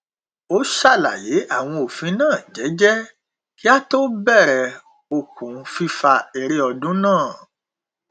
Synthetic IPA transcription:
o˦ʃa˦˨la̰˨je˨˦a˦˨w̃ɔ̃˧o˨fĩ˧˦nãː˦˨d͡ʒɛ˨˦d͡ʒɛ˦ | ki˦a˦to˦bɛ˦˨ɾɛ˨ | o˧kũ˨fi˧fa˧ɛ˨ɾe˧ɔ˧dũ˦nãː˦˨

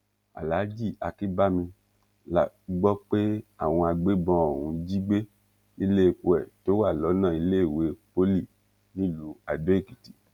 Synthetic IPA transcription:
a̰˨la˨˦d͡ʒi˦˨a˧ki˦ba˦mĩ˧ | la˨ | ɡ͡bɔ˦k͡pe˦a˦˨w̃ɔ̃˧a˧ɡ͡be˦bɔ̃˧˦o˨wũ˨˧d͡ʒi˦ɡ͡be˦ | i˧le˦e˨ku˧˨ɛ˨to˨˦wa˦˨lɔ˨˦nã˦˨i˧le˦e˦˨we˨˦po˦li˦˨ | nĩ˦˨lu˨˦a˨do˨˦e˦˨ki˨ti˨

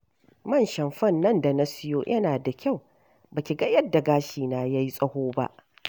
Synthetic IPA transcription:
mɐ˦˨nʃɐ˨mɸɐ˦nːɐ˦nda˨na˦sɪ˦joː˦jʔɐ˦naː˨da˨kʲa˦˨w | baː˨kʲi˨ɡɐ˦jɐ˦dːa˨ɡaː˦ʃiː˨naː˦ja˦ji˦sʼɐ˦hoː˦ba̰˦ʔ

